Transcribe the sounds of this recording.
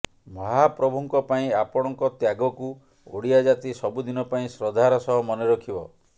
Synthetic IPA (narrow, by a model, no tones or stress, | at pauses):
mɔɦapɾɔbʱuŋkɔpaĩapɔɽ̃ɔŋkɔt̪jaɡɔku | o̰ɽiad͡ʒat̪isɔbud̪inɔpaĩsɾɔd̪ʱaɾɔsɔɦɔmɔneɾɔkʰibɔ